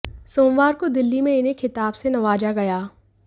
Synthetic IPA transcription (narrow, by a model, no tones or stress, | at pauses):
soːmʋaːɾkod̪ɪlːimẽɪnekʰɪt̪aːbsenɐʋaːd͡ʒaɡɐjaː